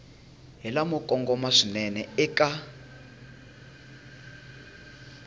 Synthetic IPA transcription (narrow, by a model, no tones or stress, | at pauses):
ɦɛlamɔkʼɔŋɡɔmaʂinɛnɛɛkʼa